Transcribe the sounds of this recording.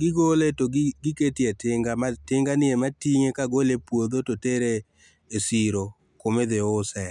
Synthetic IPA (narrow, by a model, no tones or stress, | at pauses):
ɡɪɡoletoɡɡɪketietɪŋɡamatɪŋɡanɪematiŋekaɡolepwod̪ototeɾeː | siɾo | komed̪ɪʊsɛ